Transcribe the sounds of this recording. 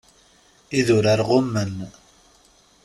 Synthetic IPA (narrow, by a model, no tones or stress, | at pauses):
iðʊɾaɾʁʊmːən